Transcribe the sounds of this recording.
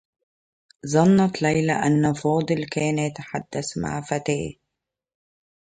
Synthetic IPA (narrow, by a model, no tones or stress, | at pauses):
zˤɑnːɑt̪lajlaʔanːafɑːd̪ˤɨlkæːnjat̪ḁħad̪ːasma̰ʕfat̪æː